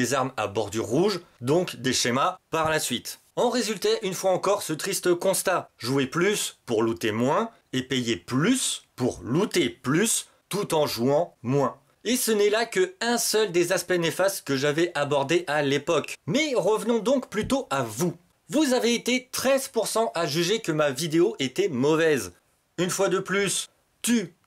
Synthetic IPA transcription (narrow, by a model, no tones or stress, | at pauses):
ezaʁma̰bɔʁd̪yʁuʒd̪ɔ̃kd̪eʃemapaʁlasɥit̪ | ɑ̃ʁezylt̪ɛʔynfwaɑ̃kɔʁsət̪χist̪əkɔ̃st̪aʒueplyspuʁlut̪emwɛ̃ | epejeplyspuʁlut̪eplys | t̪ut̪ɑ̃ʒuɑ̃mwɛ̃ | esənɛlakəɛ̃sœld̪ezaspɛnefast̪kəʒavɛʔabɔʁd̪eʔalepɔkmɛʁəvnɔ̃d̪ɔ̃kplyt̪oʔavu | vuzaveːt̪et̪χɛzpuʁsɑ̃ʔaʒyʒekəmavid̪eoʔet̪ɛmɔvɛz | ynfwad̪əplys | t̪y